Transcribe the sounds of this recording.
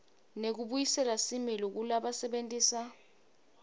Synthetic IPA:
nek̬uɓujisɛlasimilok̬ulaɓasɛɓentʼiːsa

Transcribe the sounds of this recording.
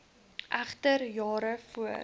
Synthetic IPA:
ʔæχtərjɑːɾəfuə

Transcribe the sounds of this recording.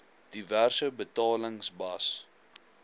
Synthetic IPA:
d̥iværsəbətɑːləŋsbɐs

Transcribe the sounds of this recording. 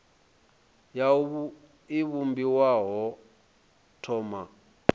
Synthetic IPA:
ja | iβumbiwaɦɔ | tʰɔːma

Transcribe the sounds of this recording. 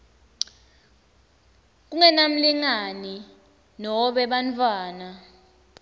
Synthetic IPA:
k̬uŋɛnam̩liŋani | nɔɓɛɓantʰʼwaːna

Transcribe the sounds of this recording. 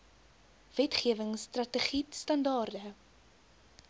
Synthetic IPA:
v̥ɛtχiəvəŋstrɐtəχitstɐndɑːrdə

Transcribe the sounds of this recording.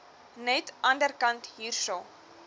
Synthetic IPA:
nɛtʔɐndərkɐntɦiːrʃo

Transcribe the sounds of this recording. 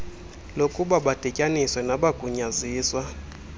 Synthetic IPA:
lokʼuɓaɓad̥ʱɛcʼaniswɛnaɓaɡ̥ʱuɲaziːswa

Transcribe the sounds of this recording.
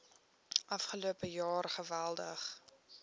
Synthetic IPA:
ʔɐfχəluəpəjɑːrχəvælˠdə̰χ

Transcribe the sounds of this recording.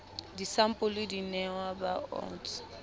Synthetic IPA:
disam̩pʼʊlɪdinɛwabaɔ̰t͡s

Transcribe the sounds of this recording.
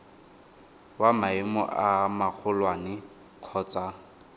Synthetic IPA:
wamaɪmɔ̰ʔamak͡xʰʊlwanɪ | q͡χʰɔːt͡sa

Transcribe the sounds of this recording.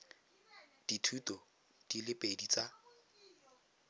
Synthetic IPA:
d̥itʰutɔ | d̥ilɪpʼedit͡sa

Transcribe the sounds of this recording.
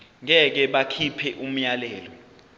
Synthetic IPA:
ŋɛk̬ɛɓakʰipʰɛʔum̩jalɛːlɔ

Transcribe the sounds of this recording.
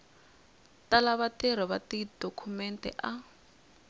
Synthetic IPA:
talaβatɛr̤ɔβatid̥okʰumɛntʼɛ̰ʔa

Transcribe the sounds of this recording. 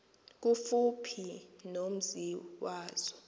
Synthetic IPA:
k̬ufupʰinom̩ziwaːz̥ɔ

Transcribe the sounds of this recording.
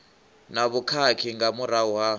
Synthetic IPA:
naβukʰakʰiŋɡamuɾauɦa

